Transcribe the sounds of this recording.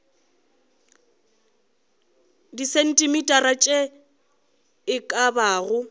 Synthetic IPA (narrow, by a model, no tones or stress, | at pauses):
disɛn̩tʼɪmitʼarat͡ʃʼɛ | ɪkʼabaːɣʊ